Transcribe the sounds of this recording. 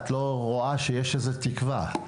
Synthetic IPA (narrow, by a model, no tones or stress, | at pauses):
t̪lo̞ʁoaʃejeʃezet̪ikva̰